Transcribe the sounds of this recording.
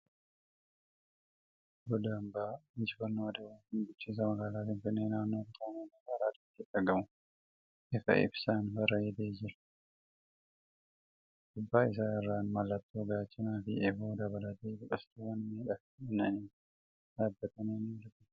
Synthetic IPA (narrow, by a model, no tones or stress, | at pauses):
bɔd̪ɐmbaːmɪd͡ʒɪfɐnːoːɐd̪ɐwɐnɪnɡʊt͡ʃːiːs̬ɐmɐɡaːlaːtɪnfɪnːeːnaːnːoːt̪t̪onɐnɐɐɾaːd̪ɪt̪ːɪᶑɐɾɡɐmʊ | ʔɪfɐ̰ʔɪ̰bsaːnfɐɾɐɛd̪eːd͡ʒɪɾɐ̥ | d̪̥ʊbːaːɪs̬aːɪrːaːnmɐlːɐt̪ːoːɡaːt͡ʃːɪnaːfɪʔɛfuːd̪ɐβɐlɐt̪eːɡʊkʼɐst̪uwɐnmeːᶑɐfɪnɐniː | d̪aːbːɐt̪ɐneːnilʊt̪ɪ